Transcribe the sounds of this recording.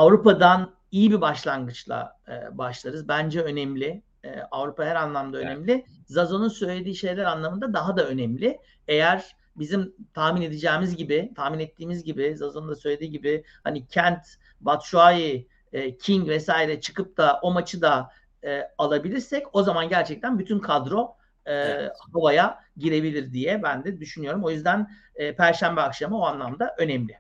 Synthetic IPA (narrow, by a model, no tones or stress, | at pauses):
avɾupad̪an | ijibibaʃlˠanɡɯt͡ʃlˠa̰ | baʃlˠaɾɯzbænd͡ʒɛø̞nɛmlʲɪ | ɛ̰avɾupaɦæɾanlˠamd̪aønɛmlʲɪ | zazo̞nunsø̞jlʲe̞d̪iːʃe̞jlʲæɾanlˠamɯnd̪ad̪aɦad̪aø̞nɛmlʲɪ | ejæɾ̥ | bizimt̪ʰahmine̞d̪ed͡ʒɛːmizɟibɪt̪ʰahminɛt̪ʰːiːmizɟibɪzazonund̪asø̞jlʲed̪iːɟibɪ | ha̰nicʰænt̪ | bat̪ʃuajɯː | cʰiɲɟvɛsaːiɾɛt͡ʃʰɯ̥kɯp̚t̪ʰaʔo̞mat͡ʃʰɯd̪a | ɛːalˠabilʲiɾsɛco̞zamanɟæɾt͡ʃʰɛc̚t̪ʰænbyt̪ʰynkʰad̪ɾo̞ː | kabajaɟiɾe̞bilʲiɾd̪ijɛbænd̪ɛd̪yʃynyjo̞ɾumo̞jyzd̪ænː | pʰæɾʃæmbɛakʃamɯoanlˠamd̪aʔø̞nɛmlʲɪ